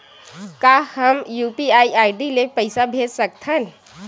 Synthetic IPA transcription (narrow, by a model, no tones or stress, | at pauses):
kaːhəmjuːpiaːiʔaːɪɖilepɐɪsabʱeːd͡ʒsək̚t̪ʰɦən